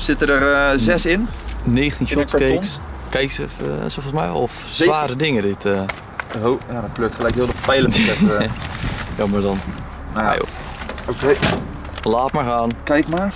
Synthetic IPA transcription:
sɪtədərzɛsɪnneːxəntinʃotskekskɛjksəsofɔsmɛ̰j̰lˠɔf | sʋaːɾədɪŋədɪtʰə | ojadɔt̚pløk̚tχəlɛjkɦɪlˠdəfɛjləmɛ | jamardɔn | a̰jo̰ | okej | laːtmarɣaːnkɛjkmaɹ

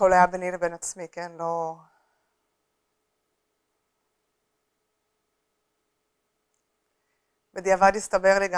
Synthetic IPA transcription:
olajabenilebenat͡smikenlo̞ | bed̪iavad̪ist̪abeʁleɡa

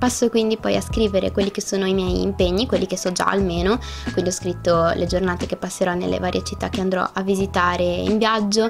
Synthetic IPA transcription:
pasːokwind̪ipɔjaskɾiːveɾḛkwelːikesːoːnoimjɛjḭmpeɲːikwelːikesɔd͡ʒa̰a̰lmeːno | kwind̪iɔskɾit̪ːoled͡ʒornaːt̪ekepːasːeɾɔnḛlːḛvaːɾjet͡ʃit̪ːakːeand̪ɾɔ̰ʔavːizit̪aːɾeḭɱbjad͡ʒːo

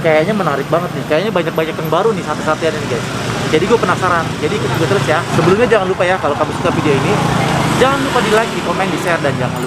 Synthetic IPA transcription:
kajaɲamənaɾɪk̚baŋət̪̚nɪhkajaɲabaɲak̚baɲak̚t̪əŋbaɾunɪsat̪isat̪ianiniɡajs | d͡ʒadiɡuapənasaɾand͡ʒadiːkʊt̪̚d͡ʒuɡat̪əɾʊsjasəbəlumɲad͡ʒaŋanlupajakalokamɪsukafidioinid͡ʒaŋanlupadilaɡikomaɪŋbisɛrdand͡ʒaŋanl

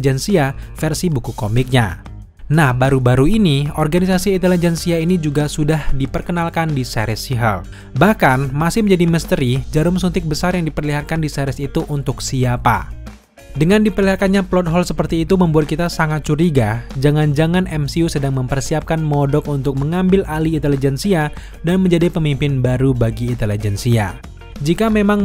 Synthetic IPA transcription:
d͡ʒɛnsiafɛrsibukukomɪk̚ɲa̰ | nahbaɾubaɾuiniɔrɡanisasiːnt̪ɛlid͡ʒɛnsiainid͡ʒuɡasudahdipərkənalkandisɛ̰ɾɪsiɦə̰l | bahkanmasɪhmə̃ɲd͡ʒadiməst̪əɾid͡ʒaɾʊmsunt̪ɪk̚bəsarjaŋdipərliɦaɾ̚kandisɛɾɪsit̪uʔunt̪ʊksiapa̰ | dəŋandipərliɦakanɲaplɔt̪̚ɦɔlsəpərt̪iːt̪uməmbuat̪̚kit̪asaŋat̪̚t͡ʃuɾiɡad͡ʒaŋand͡ʒaŋanʔɛmsiusədaŋməmpərsiap̚kanmɔdɔkunt̪ʊk̚məŋambɪlʔaliːnt̪elid͡ʒɛnsia | danməɲd͡ʒadipəmimpɪnbaɾubaɡiːnt̪elid͡ʒɛnsia̰ | d͡ʒikamemaŋ

